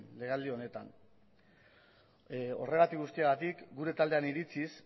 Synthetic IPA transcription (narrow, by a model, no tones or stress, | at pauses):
leɣald̪io̞ne̞t̪a̰n | o̞̰re̞ɣat̪ikɣust̪iaɣat̪ikɡuɾe̞t̪ald̪e̞aniɾit͡sis